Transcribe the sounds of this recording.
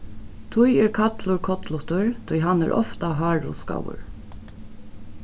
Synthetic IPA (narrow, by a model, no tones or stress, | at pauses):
t̪ʰʊɪeːɹkʰɑt̪ʰlʊɹkʰɔt̪ʰlʊt̪əɹt̪ʰɔʏhɑnæ̰ʔɔ̰ft̪ɑhɑːɹʊ̰skɑ̰wə̰ɹ